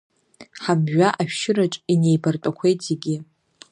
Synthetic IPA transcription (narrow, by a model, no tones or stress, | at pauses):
ħamʒaʔaʃᶣʃɪɾaʈ͡ʂʼine̞jbartʷʼakʷʰejtʼʰzeɡʲɪ